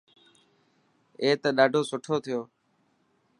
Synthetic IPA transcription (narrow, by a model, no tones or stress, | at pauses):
eːt̪əɗaːɖʱoːsʊʈʰoːt̪ʰɪjoː